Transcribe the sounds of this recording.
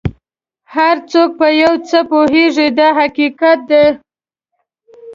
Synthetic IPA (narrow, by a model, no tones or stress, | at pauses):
haɾt͡sok̚pəjawt͡səpoɦeʐid̪aɦakikat̪̚d̪e